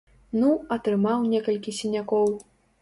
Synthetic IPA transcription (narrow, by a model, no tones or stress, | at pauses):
nuɐt̪ɾɨmawnʲɛkɐlʲkʲisʲinʲakɔw